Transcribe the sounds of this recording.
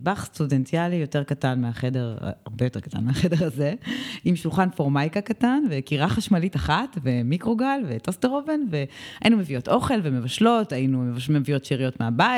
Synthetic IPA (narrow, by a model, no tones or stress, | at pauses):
baχstudentialijo̞te̞ʁkatanmeaχede̞ʁa̰a̰ʁbejote̞ʁkata̰nmeaχede̞ʁaze̞imʃulχanfoʁmajkakatanve̞kiʁaχaʃmalitaχatve̞mikʁo̞ɡalve̞tosteʁove̞nve̞ajinumevio̞tʔoχe̞lvemevaʃlo̞tainumevamevijo̞tʃiʁijo̞tmeabai